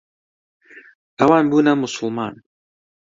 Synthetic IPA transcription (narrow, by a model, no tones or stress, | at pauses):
ʔɐwaːnbuːnɐmʊsʊlˠmɑːn